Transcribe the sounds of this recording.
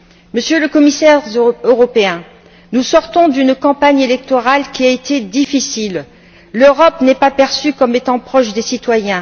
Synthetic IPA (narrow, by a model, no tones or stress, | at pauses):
məsjøləkɔmisɛʁøʁɔpeɛ̃ | nusɔʁt̪ɔ̃d̪ynkɑ̃paɲelɛk̚t̪ɔʁalkʲiaet̪ʰed̪ifisilː | øʁɔpnɛpapɛʁsykɔmet̪ɑ̃pχɔʃd̪esit̪wajɛ̃